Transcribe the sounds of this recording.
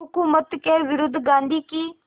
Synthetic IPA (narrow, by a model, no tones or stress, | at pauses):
ʊkuːmət̪keːʋɪɾud̪ɡãːnd̪iːkiː